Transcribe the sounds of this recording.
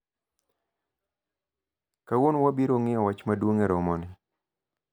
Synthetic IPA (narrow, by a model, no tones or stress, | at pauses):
kawonwabiɾoŋɪɔwat͡ʃmadwoŋeɾɔmɔnɪ